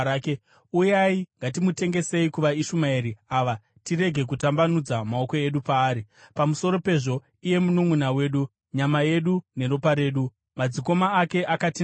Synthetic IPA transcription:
ke | ujaiŋɡat̬imute̞ŋɡe̞se̞ikuʋaiʃumaeɾiaːʋa | tiɾe̞ɡʱe̞k̬utambanud͡zamaoko̞e̞ɗupaːɾipamuso̞ɾo̞pe̞ʐo̞ | ije̞munumunawe̞ːɗu | ɲamaje̞ɗune̞ro̞paɾe̞ːɗu | mad͡ziko̞maːke̞ʔakati

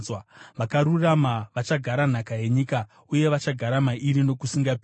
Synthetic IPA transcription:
waʋakaɾuramaʋat͡ʃaɡʱaɾan̤akaje̞ɲiːka | uje̞ʋat͡ʃaɡʱaɾamaʔiɾino̞kusiŋɡapː

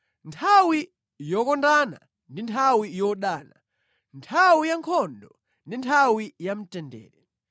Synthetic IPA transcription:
ntʰawi | jɔkɔndana̰ | ndintʰawijɔɗaːna̰ | ntʰawijaŋkʰɔndɔ | ndintʰawijam̩tɛndɛ̰ːɾɛ

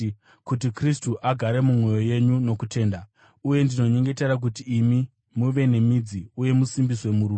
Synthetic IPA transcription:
kut̬ikristuʔaɡʱaɾe̞mumwo̞jo̞je̞ɲuno̞kute̞ːnda | uje̞ndino̞ɲe̞ŋɡe̞te̞ɾak̬utiːmi | muʋe̞ne̞mid͡ziuje̞musimbiswe̞muɾuː

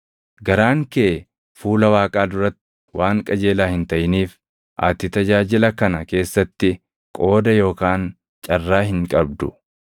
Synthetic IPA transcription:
ɡɐɾaːŋkeː | fuːlɐwaːkʼaːd̪ʊɾɐt̪ːɪ̥ | waːŋkʼɐd͡ʒe̞ːlaːhɪnt̪ɐjɪniːf | ʔaːt̪ɪt̪ɐd͡ʒaːd͡ʒɪlɐkɐnɐke̞ːsːɐt̪ːɪ | kʼo̞ːd̪ɐjo̞ːkaːn | t͡ʃʼɐrːaːɦɪŋkʼɐbd̪ʊ̰

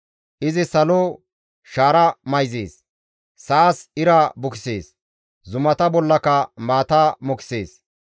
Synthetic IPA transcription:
ʔɪzɪsɐlo | ʃaːɾɐmɐjzḛːsː | aːsɪɾabʊkɪ̥seːs | zʊmɐt̪ɐbɔlːɐkɐmaːt̪aːmʊkɪ̥se̞̰ːs

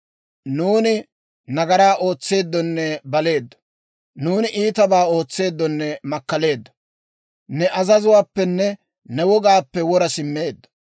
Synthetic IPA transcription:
nuːnɪ | nɐɡɐɾaːʔo̞ːt͡sːe̞ːd̪ːɔnːɛbɐle̞ːd̪ːɐ̥ | nuːnɪʔiːt̪ɐbaːo̞ːt͡sːe̞ːd̪ːɔnːɛmɐkːɐle̞ːd̪ːɐ̥ | nɛʔɐzɐzʊwaːpːɛnːɛ | nɛwɔɡaːpːɛwɔɾɐsɪmːeːd̪ːɐ̥

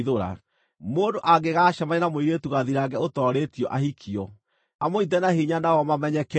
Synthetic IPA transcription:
ðoɾa̰ | moːndoʔaɡeɣaːʃamaɲenamoiɾetuɣaðiɾaɡɛotɔɾetiɔʔahikʰiɔ | amoitɛnahiɲanawɔmamɛɲɛkɛ

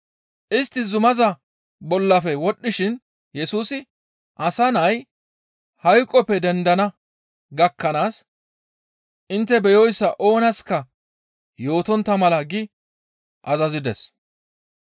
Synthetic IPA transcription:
ʔɪst̪ːɪzʊmɐzɐ | bɔlːɐfɛwɔɗːɪʃɪn | jɛsuːsɪ | ʔɐsɐnɐj | hɐjkʼːɔpːɛd̪ɛnd̪ɐnɐ | ɡɐkːɐnaːs | ʔɪnt̪ːɛbɛjɔjsːɐʔo̞ːnɐskɐ | jo̞ːt̪ɔnt̪ːɐmɐlɐɡɪ | ʔɐzɐzɪd̪ɛs

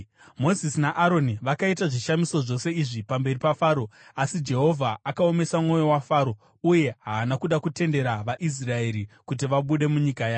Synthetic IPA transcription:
mo̞zisinaʔaɾo̞niʋakaitaʐiʃamiso̞ʐo̞se̞iʐipambe̞ripafaːɾo̞asid͡ʒe̞ɦo̞vʱaakao̞me̞samŋo̞jo̞wafaːɾo̞ | uje̞ɦaːnakuɗakute̞nde̞ɾaʋaʔis̬rae̞ɾikut̬iʋaɓuɗe̞muɲikajaː

